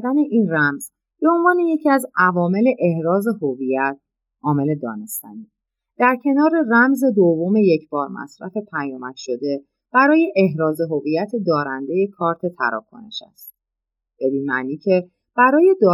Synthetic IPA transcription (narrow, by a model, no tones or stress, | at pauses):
d̪æne̞ʔiːnræmz̥ | b̥e̞o̞nvɒːne̞je̞cʰiæzævɒːme̞le̞ʔehɾɒːze̞ɦovijæt̪̚ʰ | ʔɒːme̞le̞d̪ɒ̰ːne̞st̪æ̰niː | d̪̥æɾcʰe̞nɒːɾe̞ræmze̞d̪ovːome̞je̞cʰb̥ɒːɾmæ̰sɾæ̰fe̞pʰæjɒːmæt̪ʃo̞d̪e̞ | b̥æɾɒːje̞ʔeɦɾɒːze̞ɦo̞vijæt̪ʰe̞d̪ɒːɾænd̪e̞je̞kʰɒːɾt̪ʰe̞t̪ʰæ̰ɾɒ̰ːkʰo̞̰ne̞̰ʃæ̰st̪̚ | b̥eb̪iːmæʔniːcʰe̞ | b̥æɾɒːje̞d̪ɒː